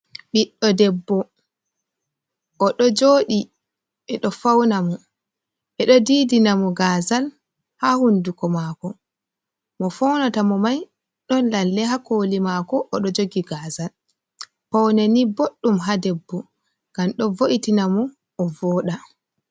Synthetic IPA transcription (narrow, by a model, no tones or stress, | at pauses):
ɓiɗːɔdɛbːɔ | ʔːɗɔd͡ʒoːɗi | ɓɛɗɔfawnamɔ | ɓɛɗɔdiːdinamɔɡaːzal | hahundukɔmakɔ | mɔfɔwnatamɔmaj | ɗɔnlalːɛɦakoːlimakɔʔɔɗɔd͡ʒoɡiɡaːzal | pawneniboɗːumɦadɛbːɔ | ɡ̥amɗɔvoʔitinamɔː | vɔːɗa